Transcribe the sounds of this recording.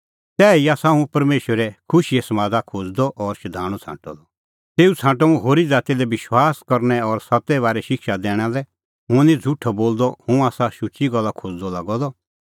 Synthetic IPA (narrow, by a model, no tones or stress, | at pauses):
t̪ɛːiaːsaɦũpɐɾmeːʃwəɾɛkʰʊʃiɛsɐmaːd̪akʰod͡zd̪ɔʔɔɾʃɐd̪ʱaːɽ̃ɔt͡sʰã̰ːʈɔ̰d̪ɔ | t̪eːut͡sʰãːʈɔũɦoːɾid͡zaːt̪ilɛʋɪʃwaːskɐɾnɛɔɾsat̪ːɛβaːɾɛʃɪkʃad̪ɛːɽ̃alɛ | ɦʊ̃nĩd͡zʱuʈʰɔboːld̪ɔhũaːsaʃʊt͡ʃiɡɐlːakʰod͡zd̪ɔlaɡɔd̪ɔ